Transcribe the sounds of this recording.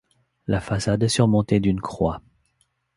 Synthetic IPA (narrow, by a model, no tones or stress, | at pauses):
lafasad̪ɛsyʁmɔ̃t̪ed̪ynkχwa